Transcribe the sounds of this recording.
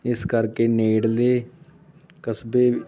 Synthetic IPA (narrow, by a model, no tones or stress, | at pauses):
ɪskəɾkeːneːɽleː | kəsbeː